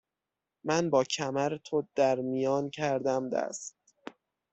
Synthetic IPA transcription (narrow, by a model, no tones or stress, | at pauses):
mænbɒːcʰæmæɾet̪ʰod̪̥æɾmijɒːncʰæɾd̪æmd̪æ̰st̪̚